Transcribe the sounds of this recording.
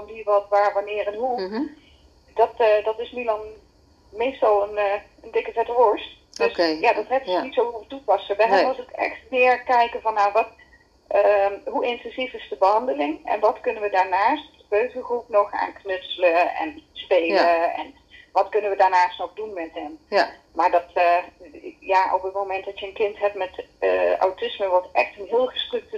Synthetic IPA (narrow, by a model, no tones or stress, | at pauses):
vɑnʋiʋɑtʋaːɹʋɑnɪːrɛnɦu | dɑtːdɑtɪsnilɑn | mejstɑlˠənː | əndɪkəvɛtəʋɔɹst | d̥øsjaːdɑtɦɛtɪsnitsowvuɹʋətupɑsəʋɛɦatokɛ̰xtmɪːɹkɛjkəvɑnːaʋɑt | əɦuʔɪntɛnzifɪzdəbəɦɑndəlɪŋɛ̰nʋɑtkɵnənʋədaːɹnaːstdəb̥øɥɣəχrupnɔxa̰ːnknʏsələɛ̰nspeːləɛ̰n | ʋɑtkɵnənʋədaːɹnaːstnɔɣdunmɛtɦɛm | maɹdɑt | jaʔɔpətmomɛntdɔtjəənkɪntɦɛp̚tmɛtəa̰wtɪsməʋɔtʔɛ̰xtənɦɪːəlˠɣəstrøk̚tə